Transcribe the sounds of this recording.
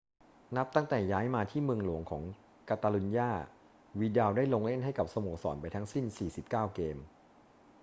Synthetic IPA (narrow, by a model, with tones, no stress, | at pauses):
na˦˥p̚t̪a˥˩ŋt̪ɛː˨˩jaː˦˥jmaː˧t̪ʰiː˥˩mɯ˧əŋlu˨˩˦əŋkʰɔː˩˦ŋ | kaː˧t̪aː˧lu˧njaː˥˩ | wiː˧daː˧wdaː˥˩jloː˧ŋle˥˩nɦa˥˩jka˨˩p̚sa˧moː˨˩k̚sɔ̰ː˩˦npa˧jt̪ʰa˦˥ŋsi˥˩nsiː˨˩si˨˩p̚kaː˥˩wkeː˧m